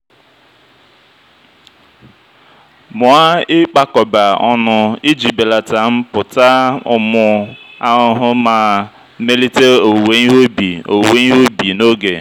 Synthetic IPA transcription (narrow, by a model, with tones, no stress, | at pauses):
mʊ˨a˦ɪ˦k͡pa˦kɔ˨ba˨ɔ˦nʊ˨i˦d͡ʒi˨be˨la˨ta˨m̩˦pʊ˨ta˦ʊ̰˨mʊ˨a˦ʊ˨ɦʊ˦maː˨ | me˦li˦te˦o˨we˦i˦ɦo˦bi˨o˨we˦i˦ɦo˦bi˨no˦ɡe˨